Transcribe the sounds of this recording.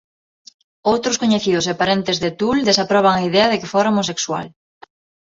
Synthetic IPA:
owt̪ɾʊskoɲeθiðʊs̬epaɾent̪ezðet̪uld̪esapɾɔβ̞aŋaiðɛɐðekefoɾaomosekswa̰l

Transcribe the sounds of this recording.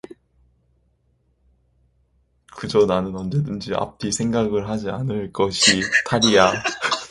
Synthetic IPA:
kɯd͡ʑʌnanɯnʌnd͡ʑe̞dɯnd͡ʑia̰p͈̚isʰe̞ŋɡaɡɯɭɦad͡ʑianɯɭk͈ʌɕʰitʰaɾija

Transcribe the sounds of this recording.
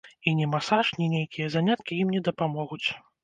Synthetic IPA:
inʲɛmasaʂnʲinʲejkʲijɐzanʲat̪̚kʲijimnʲɛd̪ɐpamɔɣut͡sʲ

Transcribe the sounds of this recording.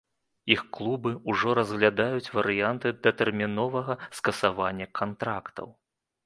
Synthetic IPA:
ixklˠubɨuʐɔɾɐzɣlʲad̪ajut͡sʲvɐɾɨjant̪ɨd̪ɐt̪ɛrmʲinɔvɐɣɐskɐsavanʲːɐkʰant̪ɾakt̪ɐ̰w

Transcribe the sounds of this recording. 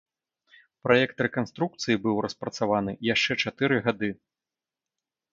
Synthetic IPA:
pɾʔajɛk̚t̪ɾɛkanst̪ɾuk̚t̪sɨjibɨwrɐspɾɐt̪savanɨjaʂt͡ʂɛt͡ʂat̪ɨɾɨɣad̪ɨ

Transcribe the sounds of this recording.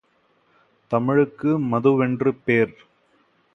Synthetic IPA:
t̪ɐmɪɻɯkːɯmɐðɯʋɛndrɯpeːɾ

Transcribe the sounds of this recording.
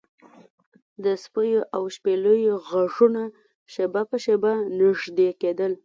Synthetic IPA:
d̪əspəjoʔawʃpeləjoɣaʐuna | ʃebapəʃebanɪʐd̪eked̪əl

